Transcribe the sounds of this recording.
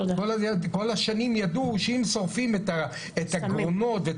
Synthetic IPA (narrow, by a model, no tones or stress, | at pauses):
olako̞laʃanimjad̪uʃehimsoʁfimet̪a | etaɡʁono̞t̪ve